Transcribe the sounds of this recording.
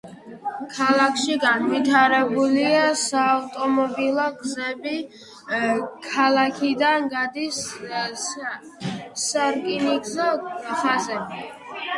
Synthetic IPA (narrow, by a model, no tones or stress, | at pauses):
kʰalˠakʰʃiɡanvit̪ʰaɾɛbuliasaːvt̪ʼɔmɔbilˠɔɡzɛbi | kʰalˠakʰid̪anɡad̪is | saɾkʼiniɡzɔχazɛbi